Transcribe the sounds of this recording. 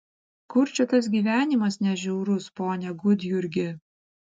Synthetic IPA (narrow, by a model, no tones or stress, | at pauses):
kʊɾʲt͡ʃʲʊt̪ɐs̬ɡʲiːʋʲæːnʲɪmɐsnʲɛʒʲɛʊɾʊspoːnʲɛɡʊd̪ʲjʊɾʲɡʲɪ